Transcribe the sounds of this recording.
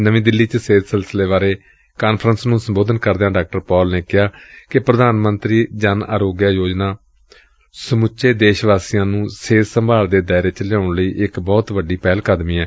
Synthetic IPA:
nəʋĩːd̪ɪlːiːt͡ʃəseːt̪səlsəleːʋaːɾeː | kaːnpʰɾənsnũːsəmboːd̪ənkəɾd̪eãːɖaːk̚ʈəɾpɔːlneːkɪɦaːkɪpɾəd̪aːnmənt̪ɾiːd͡ʒaːna̰ːɾoːɡjaːjoːd͡ʒnaː | səmʊt͡ʃʃeːd̪eːʃʋaːsijãːnũːseːt̪səmbaːld̪eːd̪aːɪɾeːt͡ʃəljãːʊɳləiːʔɪkbɔːt̪ʋəɖiːpɛːlkaːd̪miːɛː

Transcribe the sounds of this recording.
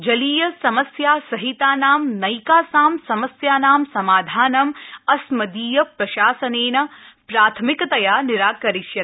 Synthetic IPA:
d͡ʒɐliːjɐsɐmɐsjaːsɐɦit̪aːnaːmnɐjkaːsaːmsɐmɐsjaːnaːmsɐmaːd̪ʱaːnɐmɐsmɐd̪iːjɐpɾɐʃaːsɐneːnɐpɾaːt̪ʰɐmikɐt̪ɐjaːniɾaːkɐɾiʃjɐ

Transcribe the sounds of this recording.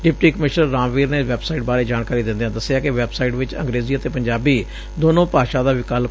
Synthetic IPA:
ɖɪp̚ʈiːkəmɪʃnəːãːmʋiːɾneːʋɛːbsaːiːʈ̚baːɾeːd͡ʒaːnkaːɾiːd̪ɪ̃nd̪ejãːd̪əsːejaːkɪʋɛːbsaːiʈʋɪt͡ʃə̰ŋɡɾeːziːət̪eːpəɲd͡ʒaːbiː | d̪oːnõːpaːʃaːd̪aːʋɪkaːl

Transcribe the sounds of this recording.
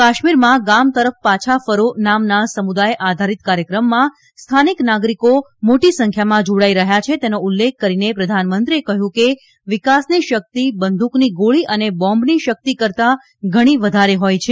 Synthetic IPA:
kaʃmiɾmãɡamt̪əɾəfpat͡ʃʰafəɾonamnasəmud̪ajeʔad̪ʱaɾit̪kaɾjəkɾəmːã | st̪ʰaniknaɡɾiko | moʈisəŋkʰjamãd͡ʒoɽaiɾəɦjat͡ʃʰet̪enoulːek̚ʰːəɾinepɾəd̪ʱanmənt̪ɾiekəɦjũke | ʋikasniʃək̚t̪ibənd̪ʱukniɡoɭiʔənebɔ̃mbniʃək̚t̪ikəɾt̪a | ɡʱəɽ̃iʋəd̪ʱaɾeɦojt͡ʃʰe

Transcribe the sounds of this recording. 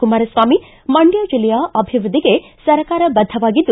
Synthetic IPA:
kumaːɾɐsʋaːmi | mɐɳɖjad͡ʒilɛjaʔɐbʱiʋɾud̪ʱiɡe | sɐɾkaːɾɐbɐd̪ʱːɐʋaːɡid̪ːu

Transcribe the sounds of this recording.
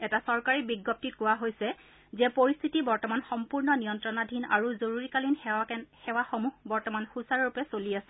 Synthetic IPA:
ɛtasɔɹkaɹibiɡɔp̚tit̚kʊwaɦojsɛ | zɛpoɹist̪ʰitibɔɹtɔmanxɔmpuɹnɔnijɔntɹɔnadʱina̰ɹuzoɹuɹikalinxɛwaxomuhbɔɹtɔmanxusaɹɹupɛsoliasɛ̥

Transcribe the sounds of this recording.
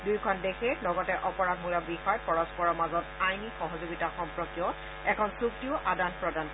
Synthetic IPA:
dujkʰɔndexɛlɔɡɔtɛʔɔpɔɹak̚mulabixɔjpɔɹɔspɔɹɔmazɔtajnixɔɦɔzoɡitaxɔmpɹɔkjɔ | ɛkʰɔnsuk̚tiʊʔadanpɹɔdan

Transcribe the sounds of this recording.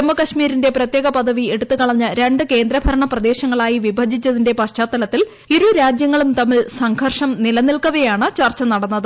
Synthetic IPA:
ɐmːɐkɐɕmiːɾinde̞prɐt̪je̞ːɣɐpɐd̪ɐʋie̞ɽut̪ːɨkɐɭɐɲːɨɾe̞ɳɖɨke̞ːnd̪ɾɐbʱɐɾɐɳɐprɐd̪e̞ːɕɐŋːɐɭaːjiʋibʱɐd͡ʑit͡ɕːɐðinde̞pɐt͡ɕaːt̪ːɐlɐt̪ːil | iɾuɾaːd͡ʑjɐŋːɐɭumt̪ɐmːiɭsɐŋɡʰʱɐrʂɐmnilɐnilkɐʋɐjaːɳɨt͡ɕɐrt͡ɕːɐnɐɽɐnːɐðɨ

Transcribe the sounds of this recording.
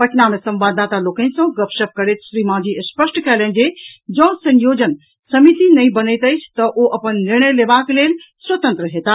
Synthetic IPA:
pəʈʰnamesə̃mbad̪at̪aloːkə̃nsə̃ɡəpʃəp̚kəɾet̪ʰʃɾimãːd͡ʒiəspəsʈkɛlə̃nd͡ʒed͡ʒɔ̃ːsənjoːd͡ʒən | sɐmit̪inəĩbənəjt̪əjt͡ʃʰt̪əʔoʔɐpənːɪɾɳ̃əjlebakleːlswət̪ə̃nt̪ɾəɦet̪a

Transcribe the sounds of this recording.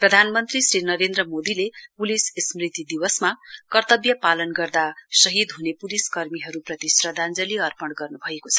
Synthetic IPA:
prʌd̪ʱanmʌnt̪risrinʌɾend̪rʌmod̪ilepulissmrit̪id̪iwʌsmakʌrt̪ʌbjʌpalʌnɡʌrd̪asʌɦid̪ɦunepuliskʌrmiɦʌɾuprʌt̪isrʌd̪ʱand͡zʌliʌrpʌɽɡʌrnubʱʌekot͡sʰʌ̥

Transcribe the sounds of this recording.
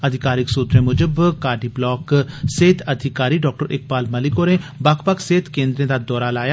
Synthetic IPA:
ɐd̪ʱɪkaːɾɪksuːt̪ɾẽmʊd͡ʒəbkaːɾɖiblɔːkseːt̪ʰɐd̪ʱɪkaːɾiɖɔːk̚ʈəɾʔɪk̚baːlmɐlɪkoːɾẽbaːkpəkseːt̪ʰkẽːnd̪ɾẽd̪ad̪ɔːɾalaːja

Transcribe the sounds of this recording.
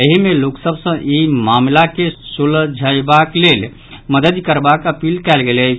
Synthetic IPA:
əɦimeloksəbsə̃ʔimamlakesuld͡ʒʱəjbaklel | məd̪əd̪kəɾbakəpilkɛlɡelɛt͡ʃʰ

